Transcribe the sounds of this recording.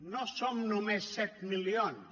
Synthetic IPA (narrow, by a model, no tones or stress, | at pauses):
nɔsɔmnɔmesɛt̪miliɔn